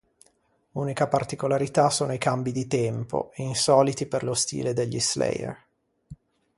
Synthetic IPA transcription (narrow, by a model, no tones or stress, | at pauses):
uːnikapart̪ikolaɾit̪asoːnoikambid̪it̪ɛmpo̰insɔːlit̪iperlost̪ḭːled̪eʎːislɛ̰jḛr